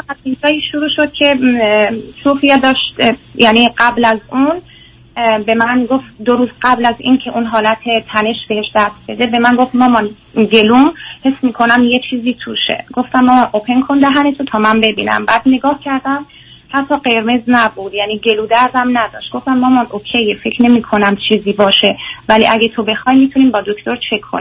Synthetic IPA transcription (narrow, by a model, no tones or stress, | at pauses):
fææt̪̚inzɒːiːʃoɾuːʃod̪̥̚cʰe̞ | sufijed̪ɒːʃt̪jæniːɢæblæzun | be̞mænɡoft̪d̪o̞ɾuːzɢæblæzḭːncʰe̞ʔuːnɦɒːlæt̪ʰe̞t̪ʰæne̞ʃb̥e̞heʃd̪æst̪̚be̞d̪e̞be̞mænɡo̞ft̪mɒːmɒn | ɟe̞lumhe̞smiːkʰo̞næmje̞t͡ʃʰiːziːt̪ʰuːʃḛɡ̥o̞ft̪æmːɒːmɑnʔopʰe̞ŋkʰond̪æɦænet̪ʰot̪ʰɒːmæmbe̞bḭːnæ̰mbæːd̪neɡɒːhcʰæɾd̪æm | hæt̪ʰːɒːɢe̞ɾme̞znæbuːd̪jæniːɟe̞luːd̪æɾd̪æmnæd̪ɒ̰ːʃt̪ɡo̞ft̪æmːɒːmɒnʔokʰejefecʰɾne̞miːkʰo̞næmt͡ʃʰiːziːbɒːʃe̞vælḭʔæɟet̪ʰo̞be̞xɒjmiːt̪ʰuniːmbɒːd̪o̞kʰt̪o̞ɾt͡ʃʰe̞kʰːoni